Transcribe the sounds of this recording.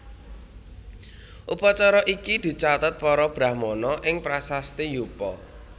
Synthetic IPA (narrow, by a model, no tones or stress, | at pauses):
ʔupɔt͡ʃɔɾɔʔikid̪̥i̤t͡ʃat̪ət̪̚pɔɾɔb̥ɾa̤hmɔnɔʔɪŋpɾasast̪ijupɔ̰